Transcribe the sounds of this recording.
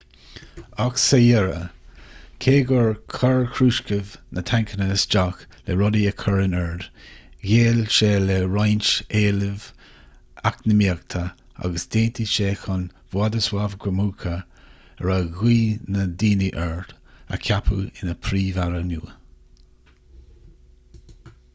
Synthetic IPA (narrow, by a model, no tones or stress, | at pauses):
aksəjɛɾə̰ | kʰeːɡɔɹkʰɔɹkʰɾuːʃkəvnʔət̪ʰaŋkʰənəsd͡ʒak | lɛɹɔdiəkʰɔɹɪnɛɹdɡeːlʃelɛɹajnt͡ʃeːləv | aknəmiəkt̪ʰə | a̰ɡəsd̪eːnt̪ʰiʃeːxʊn | vwad̪əswavɡɹəmuːkʰə | əɹaɣwiːnəd̪iːniʔɛɹd̪ə̰kʰapʰṵɪnəpʰɾiːvaɾənṵː